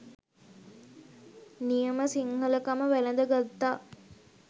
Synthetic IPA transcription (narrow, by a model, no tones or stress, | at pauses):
nijəməsiŋhələkaməʋæləd̪əɡat̪ːaː